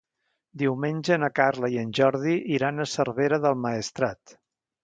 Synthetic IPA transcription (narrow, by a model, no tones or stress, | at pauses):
d̪iwmenʲʒənəkarləiənʲʒɔɾðiʔiɾanəsərβeɾəðəlˠməist̪ɾat̪